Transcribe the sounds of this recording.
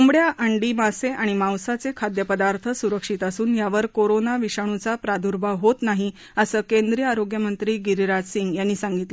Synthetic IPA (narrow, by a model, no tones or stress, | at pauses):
umbɽjaʔəɳɖimaseʔaɽ̃imãwsat͡sekʰad̪jəpəd̪aɾt̪ʰəsuɾəkʂiːt̪əsuːnjaʋəɾkoɾonaʋiʂaɳ̃ut͡sapɾad̪ʱuɾbʱaʋɦot̪naɦi | əsəːkend̪ɾijəaɾoɡjəmənt̪ɾiːɡiɾiɾad͡zsiŋɡjanːiːsaŋɡit̪lə